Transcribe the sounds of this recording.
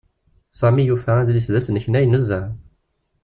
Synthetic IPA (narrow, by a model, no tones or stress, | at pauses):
sˤɑmijufææd̪lisðæsənəçnæjənəzːæ